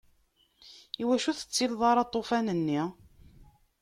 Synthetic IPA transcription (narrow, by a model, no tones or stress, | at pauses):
iwæʃuθə̥t͡sːilðˤɑɾˤɑt̪ˤːofænənːi